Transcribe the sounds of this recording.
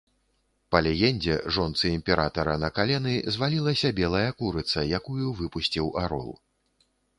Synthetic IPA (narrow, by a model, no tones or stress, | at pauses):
pɐlʲɛɣʲɛnʲd͡zʲɛ̰ʐɔnt̪sɨimʲpʲɛɾʔat̪ɐɾɐnɐkalʲɛnɨzvalʲilˠɐsʲɐbʲɛlˠɐjɐkuɾɨt̪sɐjakujuvɨpusʲt͡sʲiwaɾɔ̰lˠ